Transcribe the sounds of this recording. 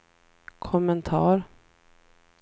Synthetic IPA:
kʰɔmənt̪ʰɑːɾ

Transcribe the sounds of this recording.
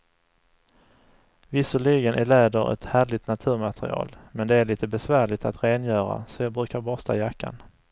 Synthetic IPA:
vɪsəɭiɡənʔæɭɛːd̪əɾɛ̰t̪hæːɭɪt̪nat̪ʰʉ̟ːɾmat̪ɾɪ̰ɑ̰ːlmɛnd̪ɛæɭiːt̪əbɛsvæːɭɪt̪at̪ɾeːnjœːɾa̰sɔjɑːɡbɾʉ̟ːkaɾbɔst̪ʰa̰jakʰːa̰n

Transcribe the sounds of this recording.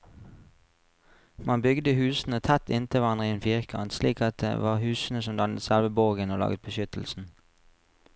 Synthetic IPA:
mɑnbʏɡd̪əhʉːsn̩ət̪ʰæt̪ɪnt̪əʋɑnʁɪeːnfiʁkʰɑ̰nsliːkɑt̪̚d̪ḛʋɑ̰ːʁhʉːsn̩əsɔmd̪ɑnət̪sælʋəboːɡənoːlɑ̰ːɡət̪̚bəʃʏt̪l̩sn̩

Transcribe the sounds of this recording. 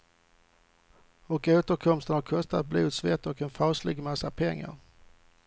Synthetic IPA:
ɔkoːt̪əɾkʰɔmst̪ənhaɾkʰɔst̪at̪̚blʉːd̪svɛt̪ːɔkɛnfɑːslɪɡmasapʰɛŋːa̰ɾ

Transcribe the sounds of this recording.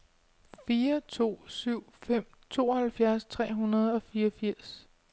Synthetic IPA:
fiːɐt͡sʰo̝̰ːsyʊ̰fem̰ | t͡sʰo̝̰ːɒhælfjæɐst͡sʰʁɛ̰ːɦunɐð̞ˠɒ̽fiːʌfiɐ̰s

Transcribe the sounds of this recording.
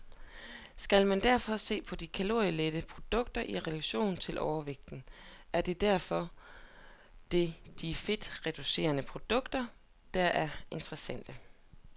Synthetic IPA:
sɡ̥ælmænd̥æɐfɒ̽se̝̰ːpʰɒ̽d̥ikʰælo̝ɐjled̥əpʰʁo̝d̥ɔ̽ɡ̥̚d̥ɐʔiʁɛlæɕo̝̰ːnt͡sʰe̝lʔɒʊɐʋeɡ̥̚d̥n̩ʔæɐd̥e̝d̥æɐ̰fɒ̽ | d̥e̝d̥ife̝d̥ʁɛd̥use̝̰ːɐnəpʰʁo̝d̥ɔ̽ɡ̥d̥ɐ | d̥ɑʔæɐe̝nt͡sʁɛsæn̰d̥ə

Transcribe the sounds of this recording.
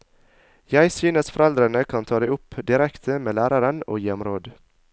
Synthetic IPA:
jæɪsyːnəsfɔɾɛld̪ɾəɳəkʰɑnt̪ʰɑːd̪æɪʊpːd̪ɪɾɛkt̪ʰəmeːlæːɾɑɾəno̰ːjɛmɾoːd̪

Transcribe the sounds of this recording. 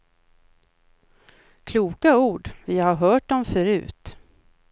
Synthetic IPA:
kʰluːkauːɖvɪhaɾɦœːʈ̚dɔmfœɾʉ̟̰ːt̪

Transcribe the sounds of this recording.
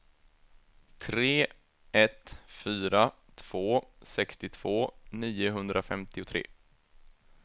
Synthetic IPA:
t̪ʰɾeː | ʔɛt̪fyːɾa | t̪ʰv̥oːsɛkst̪ɪt̪ʰv̥oːniːʊɦɵnd̪ɾafɛmt̪ɪʊt̪ʰɾḛː

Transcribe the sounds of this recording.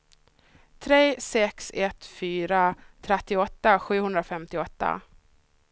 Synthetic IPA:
t̪ʰɾeːsɛksɛt̪fyːɾat̪ʰɾɛt̪ːɪɔt̪ːaɧʉ̟ːhɵnd̪ɾafɛmt̪ɪɔt̪ːa̰

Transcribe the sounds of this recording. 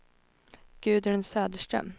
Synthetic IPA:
ɡ̥ʉ̟ːd̪əɾɛnsœːd̪əʂʈɾœ̰m

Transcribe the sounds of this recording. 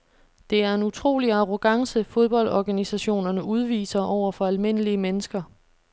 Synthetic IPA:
d̥e̝æɐe̝nut͡sʰʁo̝̰ːliɑ̈ʁo̝ɡ̥ɑ̈ŋsəfoð̞ˠb̥ɒ̽l̰dɒɡ̥ænisæɕo̝̰ːnɐnəuð̞ˠʋḭːsɐʔɒʊ̰ɐfɒ̽ælme̝n̰əliəmenəsɡ̥ɐ

